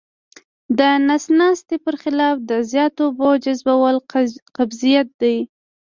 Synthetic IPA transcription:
d̪ənasnɑst̪epəɾxɪlɑfd̪əzjɑt̪obod͡ʒazbawəlqabzijat̪̚d̪aj

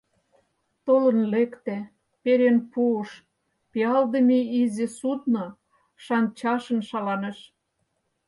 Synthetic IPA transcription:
t̪olɤ̆nlekt̪æ | peɾenpuʃ | piɑld̪ə̆meizĕsut̪̚no | ʃɑnt͡ɕɑʃə̆nʃɑlɑnĕʃ

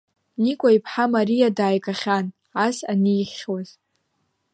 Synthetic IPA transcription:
nikʷʼaipʰħamaɾijadaːjkʼaχʲan | asaniːχʲwaz

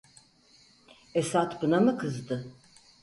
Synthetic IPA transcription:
esat̪bɯnamɯkʰɯzd̪ɯ

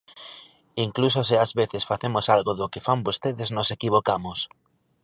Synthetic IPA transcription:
iŋklus̬osɪazβeθɪsfaθemosalɣoðʊkɪfambost̪eðɪznosekiβ̞okamʊs

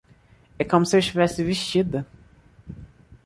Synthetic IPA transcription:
ɛkõmʊsɪewɪʃt͡ʃivɛsɪviʃt͡ʃid̪ɐ

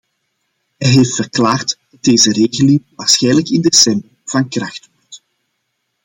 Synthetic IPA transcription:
ɦɛjɦeːftfərklaːrtd̥ɑd̚deːzəreːɣəlɪŋʋaːrsxɛjnləkɪndesɛmbərv̥ɑnkrɑxtʋɔrt

